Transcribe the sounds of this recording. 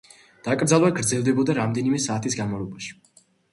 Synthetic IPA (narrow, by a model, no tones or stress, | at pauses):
d̪̥akʼɾd̪zalˠvaɡɾd̪zɛlˠd̪ɛbɔd̪aɾamd̪ɛnimɛsaːt̪ʰisɡanmavɛbaʃi̥